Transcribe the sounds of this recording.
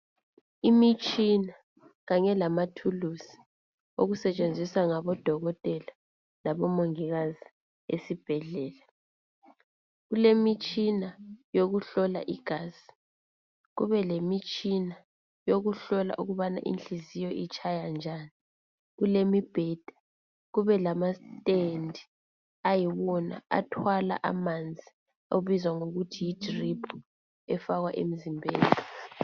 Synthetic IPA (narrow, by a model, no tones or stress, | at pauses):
imit͡ʃʼina | ɣaɲɛlamatʰulusi̥ | oɣusɛt͡ʃʼend͡zʱisaŋaβɔd̥ʱɔɣɔtʼɛla | laβɔmoŋiɣazi | ḛsib̥ʱɛɮɛːla | ɣulemit͡ʃʼinajoɣuɬɔla̰ʔiɡ̥ʱaːzi̥ | ɣuβɛlemit͡ʃʼina | joɣuɬɔla̰ʔuɣuβana̰ʔḭnɬizijɔʔit͡ʃʰʼajand͡ʒʱaːni | ɣulemib̥ʱɛd̥ʱḁ | ɣuβɛlamastʼendʱi | ajiβɔna̰a̰tʰwala̰ʔa̰mand͡zʱi | oβizwaŋoɣutʰijid̥ripʰu̥ | ɛfaɣwaʔem̩zimbʱeːli